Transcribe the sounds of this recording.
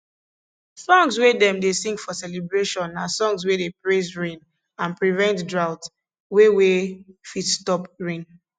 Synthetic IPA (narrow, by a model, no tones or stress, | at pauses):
sɔ̃ŋswedɛ̃mdesĩŋɡfɔsɛlibɹeʃɔ̃nasɔ̃ŋzwedepɹezɹẽn | ãnpɹivɛ̃ntdɹaʊt | wewefitstɔpɹĩn